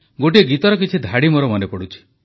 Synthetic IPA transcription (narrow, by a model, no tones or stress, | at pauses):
ɡoʈieɡit̪ɔɾɔk̬it͡ʃʰid̪ʱaɽimɔɾɔmɔnepɔɽut͡ʃʰi̥